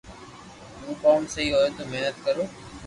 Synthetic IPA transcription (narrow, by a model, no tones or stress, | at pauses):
mũːkoːnsəiːɦoːeːt̪oːmeɦnət̪̚kəɾoː